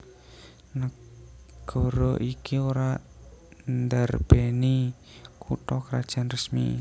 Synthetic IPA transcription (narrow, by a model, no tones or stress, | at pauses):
nə | ɡ̥ɔɾɔʔikiuɾa | nd̪arb̥eni | kut̪ɔkəɾad̥ʒ̥a̤nrəsmḭ